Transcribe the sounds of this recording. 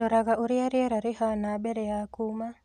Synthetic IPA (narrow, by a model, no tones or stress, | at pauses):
oɾaɡaʔuɾiaɾiaɾaɾɪhanabɛɾɛjakuma